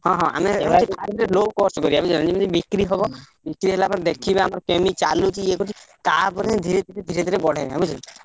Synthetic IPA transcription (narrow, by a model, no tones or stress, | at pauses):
ɦɔ̃ɦɔ̃a̰meip̪ʰaɾd̪ʱiɾelobkɔɾsɔkɔɾiabud͡ʒalãd͡ʒimɔ̃d͡ʒibikɾiɦɔbɔ | bikɾiɦelapɔɾed̪ekʰibeamɔɾkemit͡ʃalut͡ʃʰiekut͡ʃʰit̪aɾpɔɾed̪ʱiɾed̪ʱiɾed̪ʱiɾed̪ʱiɾebɔɽ̤eabud͡ʒala